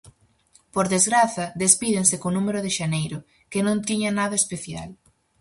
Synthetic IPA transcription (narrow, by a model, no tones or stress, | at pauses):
poɾðezɣɾaθɐðespiðẽnsɪkonũmeɾʊðɪʃanejɾʊ | kenõnt̪iɲɐnaðɐespeθja̰l